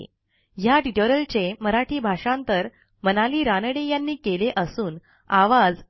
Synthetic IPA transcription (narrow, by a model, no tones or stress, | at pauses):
jaʈiʈoɾəlt͡seməɾaʈʰiːbʱaʂãnt̪əɾ | mənaliːɾanəɽejanːiːkeleʔəsuːn | aʋad͡z